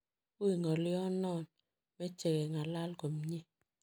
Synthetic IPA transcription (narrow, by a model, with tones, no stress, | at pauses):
u˦i˨ŋɔ˨ljɔ˦nɔ˦˨n | mɛ˦t͡ʃe˨kɛ˨ŋa˨la˦lko˨mɲe˦